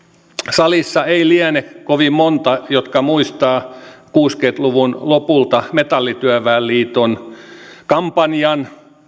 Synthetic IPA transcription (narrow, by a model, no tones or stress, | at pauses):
sɑlisːɑeiliænekoʋimmont̪ɑjot̪kɑmuist̪ɑːkuːskeit̪luʋunlopult̪ɑmet̪ɑlːit̪yæʋæːlliːt̪on | kɑmpɑnjɑn